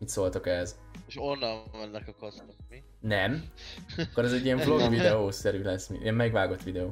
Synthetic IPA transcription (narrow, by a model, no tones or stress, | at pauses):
mit̪soːlt̪okɛɦɛzeʃonːɒvɒnːɛkɒkost̪omi | nɛm | kːoɾɛzɛɟːijɛɱflo̞ɡvid̪ɛoːsɛɾylɛsːmiʔḭɛmmɛɡʋaːɡo̞t̪ːʋid̪ɛoː